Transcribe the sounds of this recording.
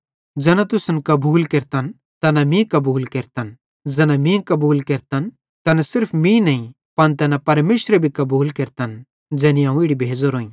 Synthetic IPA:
d͡zɛːnat̪ʊsənkɐbuːlkeːɾt̪ɐn | t̪ɐnamĩkɐbuːlkeːɾt̪ɐn | d͡zɛːnamĩkɐbuːlkeːɾt̪ɐn | t̪ɐnasɪɾpʰmĩnɐĩ | pɐnt̪̬ɛːnapɐɾmeːʃɾɛbʱikɐbuːlkeːɾt̪ɐn | d͡zɛːnĩãːũɪɽibʱeːd͡zoɾoːĩ

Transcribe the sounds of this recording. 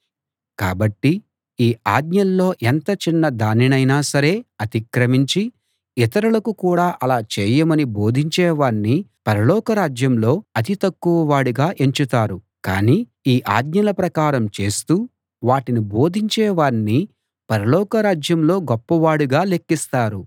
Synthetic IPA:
ka̰ːbɐʈːi | iːaːd̪ɲɐllo̞ːʔent̪ɐt͡ʃinːɐd̪aːninɐjnaːsɐɾe̞ːɐt̪ikɾɐmiɲt͡ʃi | it̪ɐɾulɐkukuːɽaːʔɐlaːt͡ʃeːjɐmɐnibo̞ːd̪ʱiɲt͡ʃɛːʋaːnːipɐɾɐlɔːkɐɾaːd͡ʒjɐmlo̞ːɐt̪it̪ɐkːuʋɐʋaːɽuɡaːʔe̞ɲt͡ʃut̪aːɾu | kaːniː | iːʔa̰ːd̪ɲɐlɐpɾɐkaːɾɐmt͡ʃe̞ːst̪uː | ʋaːʈinibo̞ːd̪ʱiɲt͡ʃɛːʋaːni | pɐɾɐlɔːkɐɾaːd͡ʒjɐmlo̞ːɡɔpːɐʋaːɽuɡaːle̞kːist̪aːɾu

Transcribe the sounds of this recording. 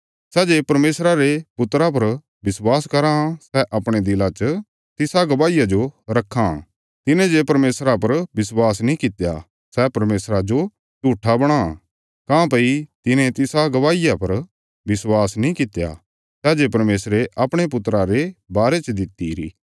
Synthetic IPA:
sɛːd͡ʒeːpɐɾmeːsɾaɾepʊt̪ɾap̬ɐɾ | bɪswaːskɐɾasɛʔɐpɽ̃ed̪ɪlat͡ʃə | t̪ɪsaɡɐʋaːijad͡ʒoɾɐkʰːa̰ | t̪ɪnẽd͡ʒepɐɾmeːsɾapɐɾbɪswaːsnĩkɪt̪ja̰ | sɛpɐɾmeːsɾad͡ʒo | d͡ʒuːʈʰːabɐɽ̃a̰ | kãːpɐit̪ɪnẽt̪ɪsaɡɐʋaːɪjapɐɾ | bɪswaːsnĩkɪt̪ja̰ | sɛːd͡ʒeːpɐɾmeːsɾeʔɐpɽ̃epʊt̪ːɾaɾebaːɾet͡ʃd̪ɪt̪ːiɾḭː

